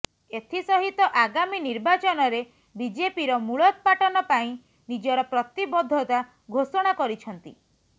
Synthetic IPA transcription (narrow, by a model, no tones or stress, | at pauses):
et̪ʰisɔɦit̪ɔʔaɡaminiɾbat͡ʃɔnɔɾe | bid͡ʒepiɾɔmuɭɔk̪̚paʈɔnɔpaĩ | nid͡ʒɔɾɔpɾɔt̪ibɔd̪ʱːɔt̪a | ɡʱosɔɽ̃akɔɾit͡ʃʰɔnt̪ḭ